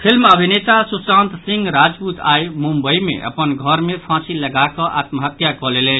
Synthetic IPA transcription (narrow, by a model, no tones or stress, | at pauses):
pʰilməbʱinet̪asusãnt̪sĩŋɡɾad͡ʒput̪ʰa̰jmũmbəimḛʔə̰pənɡʱʌɾmepʰãsiləɡakə̃ʔa̰t̪məɦət̪jakɔlelɛn